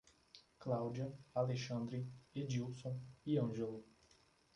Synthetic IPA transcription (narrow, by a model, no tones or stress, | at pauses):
klawd͡ʒiɐaleʃɐ̃nd̪ɾied͡ʒiwsõw̃iɐ̃ʒelu